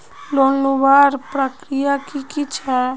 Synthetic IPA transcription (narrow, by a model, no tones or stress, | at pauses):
lonubaːɾpɾəkɾijakikit͡ʃʰɛ